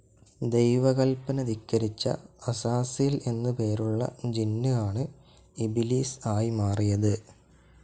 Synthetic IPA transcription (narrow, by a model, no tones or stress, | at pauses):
d̪e̞jʋɐɣɐlpɐnɐdikːɐɾit͡ɕːɐ̰ɐsaːsijile̞nːɨpe̞ːɾuɭːɐ̰d͡ʑinːɨaːɳɨ | ibiliːsaːjimaːrijɐðɨ